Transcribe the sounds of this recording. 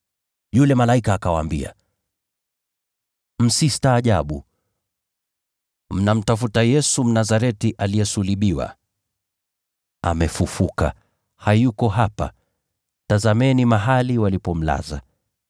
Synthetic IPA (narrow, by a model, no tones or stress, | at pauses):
julɛmalaikaːkawa̰ːmbḭa̰ | m̩sistaːʄa̰ɓu | m̩nam̩tafutajɛsum̩nazaɾɛtiʔaliɛsuliɓiwa̰ | amɛfufuka̰ | hajukɔɦapa̰ | tazamɛnimaɦaliwalipɔm̩la̰za̰